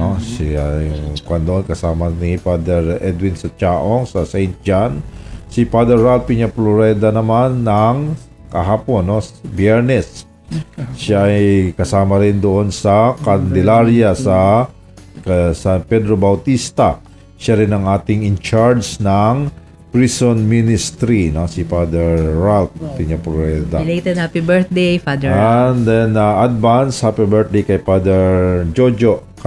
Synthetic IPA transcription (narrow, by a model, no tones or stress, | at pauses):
osjkɐnd̪oonkɐsaːmɐnipad̪ɛɾɛd̪wɪnsɐt͡ʃaːʔoŋsɐsɛjnt̪̚d͡ʒansipad̪ɛɹalpiɲaploɾɛd̪ɐnɐmanːɐŋ | kɐɦaːponːosbjɛɹnɛs | ʃaʔɐjkɐsaːmɐɾɪnd̪oʔo̞nsɐkɐnd̪ɛlaɾjɐsɐ | sɐnpɛd̪ɾobɐwt̪ist̪ɐ | ʃaɾɪnɐŋʔaːt̪ɪŋɪnt͡ʃaɹsnɐŋ | pɹisonminɪst̪ɾinosifad̪ɛɹːalf̚t̪ɪɲɐpɛd̪alet̪ɛd̪apibɛɹtd̪ejfad̪and̪ɛnɐʔɐd̪̚vanshapibɛɹt̪̚d̪ejkɐjpad̪ɛɹd͡ʒod͡ʒo